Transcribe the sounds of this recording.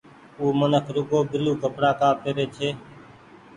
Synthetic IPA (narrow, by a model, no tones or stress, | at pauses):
uːmənəkʰɾʊɡoːbɪluːkəpɽaːkaːpeːɾeːt͡ʃʰeː